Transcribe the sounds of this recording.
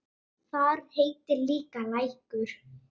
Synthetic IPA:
θaɾheːjt̪ɪliːkalaːjhkʏɾ̥

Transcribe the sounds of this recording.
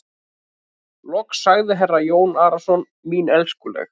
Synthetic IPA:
lɔksaɣðɪɦɛrajoːwnaːɾasɔn | miːnɛlskʏlɛ̰x

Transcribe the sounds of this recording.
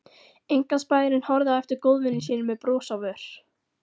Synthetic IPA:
ejŋkanspaːjðɪɾɪnhɔɾðaɛft̪ɪɾkoːwðvɪnːɪsiːnʏmɛðpɾoːsawvœɾ̥

